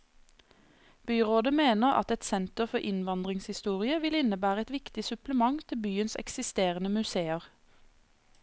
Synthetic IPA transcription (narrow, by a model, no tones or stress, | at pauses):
b̥yːʁoːd̪əmeːnəʁɑ̰t̪ɛt̪sɛnt̪əʁfɔʔɪnʋɑnd̪ʁɪŋshɪst̪uːʁɪəʋɪlɪnəbæːʁəɛt̪ʋɪkt̪ɪsʉpləmɑŋt̪ʰɪbyːənsɛ̰ksɪst̪eːʁənəmʉseːəʁ